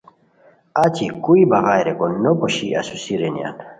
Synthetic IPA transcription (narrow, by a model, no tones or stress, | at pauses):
atʰikuibaɣajɾɛɡɔnːɔbɔʃia̰susiɾɛnḭa̰n